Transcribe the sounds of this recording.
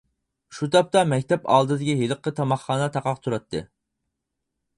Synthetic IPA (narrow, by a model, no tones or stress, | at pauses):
ʃut̪ʰɑp̚t̪ɑmɛkʲt̪ɛpɑ̰ːlˠd̪ɨd̪ɪkʲiɦeləqʰːət̪ʰɑmɑχːɑːnɛt̪ʰɑqɑqt̪ʰuɾɑt̪ʰːɨ̰